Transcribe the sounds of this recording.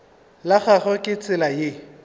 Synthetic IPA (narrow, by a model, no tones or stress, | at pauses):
laχaɣɔkʼɪt͡sʼɪlajɪ